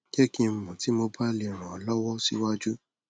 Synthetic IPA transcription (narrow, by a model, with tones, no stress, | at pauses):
ɡɛ˦kĩ˧m̩˨mũ˨ti˨˦mo˧ba˦li˧ɾ̃ã˨ɔ˨lɔ˦wɔ˦sḭ˦wa˦d͡ʒu˦